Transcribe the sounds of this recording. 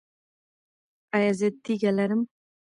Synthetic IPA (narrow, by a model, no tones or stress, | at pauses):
ajazet̪ʰːiɡʲalaɾɪm